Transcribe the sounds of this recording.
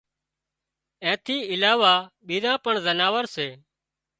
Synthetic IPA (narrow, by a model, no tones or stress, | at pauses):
ɛ̃ːt̪ʰiːɪlaːʋaːɓiːɾãːpəɳzənaːʋəɾseː